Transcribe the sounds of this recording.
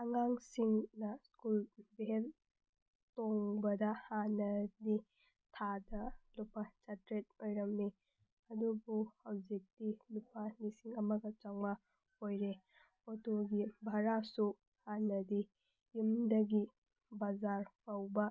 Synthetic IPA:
ɐŋaŋsiŋnɐskulbɦel | toŋbɐdɐhanɐdi | tʰadɐlupːat͡ʃɐtɾet̚ojɾɐmni | ɐdubuhɐwd͡ʒik̚tilupʰanisiŋɐmɐɡɐt͡ʃaŋma | ojɾe | otoɡibʱaɾasu | hanɐdi | jumdɐɡi | bazaɾpɐwbɐ

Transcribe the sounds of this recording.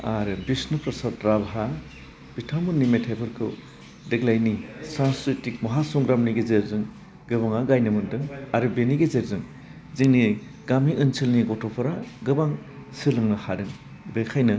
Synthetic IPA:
aɾɯbisnupɾasatɾabɦa | b̥itʰamunːimetʰhepʰɯɾkʰɯ̰ | deɡlajnisansɾitik̚mɔɦasɔŋɡɾamniɡezeɾzɯŋ | ɡɯβaŋaɡajnɯmɯndɯŋaɾɯbeniɡezeɾzɯŋ | ziŋni | ɡamiʔɯnsʰilniɡɔtʰɔpʰaɾaɡɯbaŋ | silɯŋnɯhadɯŋ | bekʰajnɯ

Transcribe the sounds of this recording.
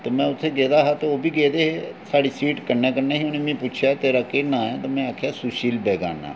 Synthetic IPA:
t̪eːmɛ̃ːʊt̪ʰːeːɡeːd̪aːɦaːt̪eːoːbiːɡeːd̪eːɦeːsaːɽiːsiːʈkəɾnɛːkəɾneːɦionẽːmĩːput͡ʃʰjaːt̪eːɾaːkeːnãːɛːt̪aːmɛ̃ːaːkʰjaːsʊʃiːlbɛːɡa̰ːna̰ː

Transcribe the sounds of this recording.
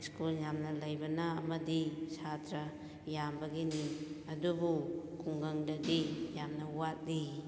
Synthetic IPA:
skuljamnɐlɐjbɐnɐːmɐdisatɾɐ | jambɐɡiniɐdubukuŋɡɐŋdɐdijamnɐwat̚li

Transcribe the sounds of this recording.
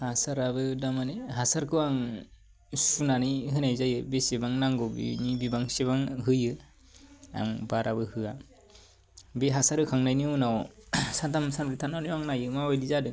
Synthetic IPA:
hasaɾabɯdamaniɦasaɾkʰɯwaŋ | sunaniɦɯnajzajɯbesebaŋnaŋɡɔbḭnibibaŋseβaŋɦɯjɯ | a̰ŋbaɾabɯhɯa | beɦasaɾɯkʰaŋnajniunawsatamsanbɾitʰananiwaŋnajɯmawajlizadɯ

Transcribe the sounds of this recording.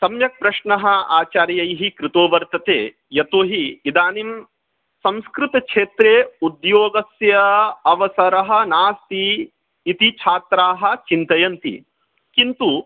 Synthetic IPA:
sɐmjɐk̚pɾɐʃɳɐɦɐa̰ːt͡ʃaːɾjɐjɦikɾɪt̪oːʋɐɾt̪ɐt̪ḛː | jɐt̪oːɦiid̪aːnim | sɐ̃mskɾut̪ɐkʂʰeːt̪ɾeːud̪joːɡɐsjɐɐʋɐsɐɾɐɦɐ̆naːst̪iː | t̪it͡ʃʰaːt̪ɾaːɦɐ̆t͡ʃint̪ɐjɐnt̪ḭ | kint̪u

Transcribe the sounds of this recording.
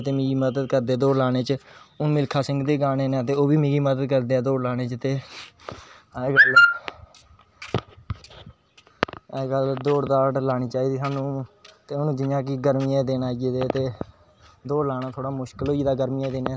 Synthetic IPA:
t̪eːmĩːɡiːməd̪əd̪kəɾd̪eːd̪oːɾlaːɽ̃eːt͡ʃəʊnmɪlkʰaːsɪ̃ŋɡd̪eːɡaːneːnãːt̪̬eːoːbiːmĩːɡiːməd̪əd̪kəɾd̪eːɛːd̪oːɽlaːɽ̃eːt͡ʃət̪eː | ɡəl | ɡəld̪oːɽd̪aːɖlaːɽiːt͡ʃaːiːd̪iːsaːnũːt̪eːʊnũːd͡ʒɪãːk̬iːɡəɾmɪjãːd̪eːnaːid̪eːt̪eː | d̪oːɾlaːñaːt̪ʰoːɽaːmʊʃkəloːiːd̪aːɡəɾmɪjaːd̪eːnẽː

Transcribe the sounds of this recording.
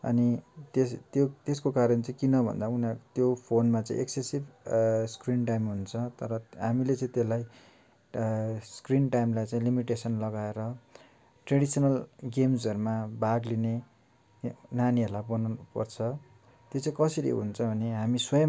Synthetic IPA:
ʌ̰nit̪est̪jot̪eskokaɾʌnt͡saĩkinʌbʱʌ̰nd̪aunat̪jopʰonmat͡sã̰ḭ̃ʔeksesibskrinʈajmɦunt͡sʰʌt̪ʌɾʌɦamilet͡sãĩt̪elaj | skrinʈajmlajt͡sãĩlimiʈesʌnlʌɡaeɾʌ | ʈreɽisʌnʌlɡemsʌɾumabaɡline | naniɦʌrlabʌnunupʌ̰rt͡sʰʌ | t̪jot͡sãĩkʌsiɾḭɦṵnt͡sʰʌbʱʌneɦamiswʌjʌ

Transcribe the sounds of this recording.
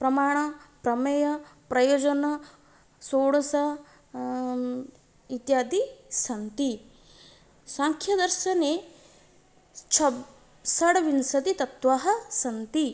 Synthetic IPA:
pɾɐmaːɳ̃ɐpɾɐmɐjɐpɾɐjoːd͡ʒɐnɐ | soːɽɐsɐ | it̪jaːd̪isɐnt̪i | saːŋkʰjɐd̪ɐɾʃɐne | t͡ʃʰɐ | sɐɽɐʋinsɐt̪it̪ɐt̪ʋaːɦɐsɐnt̪i

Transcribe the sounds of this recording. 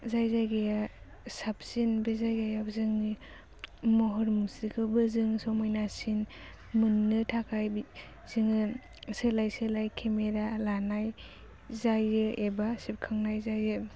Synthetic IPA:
zajzajɡaja | sap̚sinbezajɡajabzɯŋi | mɔɦɔɾmusikʰɯbɯzɯŋsɔmɔjnasin | mɯnːɯtʰakʰajb | z̥ɯŋɯ | sɯlajsɯlajkʰemeɾalanaj | zajɯebasip̚kʰaŋnajzajɯ

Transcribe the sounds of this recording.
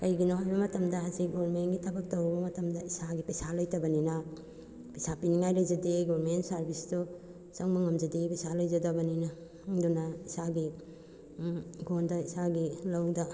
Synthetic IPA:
kɐjɡinahajbɐmɐtɐmdɐɦazik̚ɡoɾmenɡitʰɐbɐk̚tɐwbɐbɐmɐtɐmdɐisaɡipɐjsalojtɐbɐnina | pisapiniŋajɾajzadeɡoɾmentsaɾbisdɔ | sɐŋmɐŋɐmzɐdepɐsalojzɐdɐbɐnina | ŋdunaisaɡi | ɡondɐisaɡilɐwda

